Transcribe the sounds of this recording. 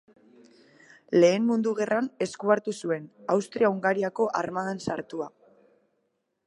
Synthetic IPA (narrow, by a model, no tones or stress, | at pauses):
le̞ːmmund̪uɣe̞rʔane̞skuaɾt̪usue̞nawst̪ɾiauŋɡaɾiako̞ʔaɾmaðansaɾt̪ua